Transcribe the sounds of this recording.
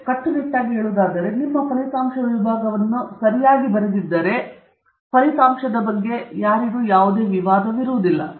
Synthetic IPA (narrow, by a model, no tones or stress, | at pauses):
kɐʈːubeʈːaːɡɦeːɭuːd̪aːd̪ɐɾe̞nimːɐpɐlit̪aːmʃɐʋibʱaːɡɐʋɐnːusɐɾijaːɡibɐɾed̪id̪ːɐɾe̞ | pɐlit̪aːmʂɐd̪ɐbɐɡːe̞jaːɾiɡuːjaːʋud̪e̞ːʋiʋaːd̪ɐʋiɾuʋud̪ilːɐ̰